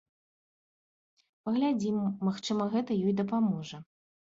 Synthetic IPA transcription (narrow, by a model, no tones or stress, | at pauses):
pɐɣlʲad͡zʲimːaxt͡ʂɨmɐɣɛt̪ɐjɔjd̪ɐpamɔʐɐ